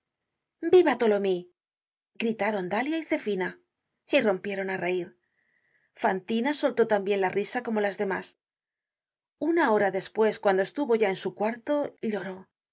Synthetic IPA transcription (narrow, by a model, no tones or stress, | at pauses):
biβat̪o̞lo̞mi | ɡɾit̪aɾo̞nd̪aljaiθe̞fina | iro̞mpje̞ɾo̞nare̞iɾ | fant̪inaso̞lt̪o̞t̪ambje̞nlarisako̞mo̞lazðe̞mas | unao̞ɾaðe̞spwe̞skwand̪oe̞st̪uβo̞ʝae̞nsukwaɾt̪o̞ʎo̞ɾo̞